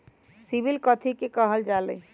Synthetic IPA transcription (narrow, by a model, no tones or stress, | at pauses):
sibilkɔt̪ʰikekəɦəld͡ʒalḛ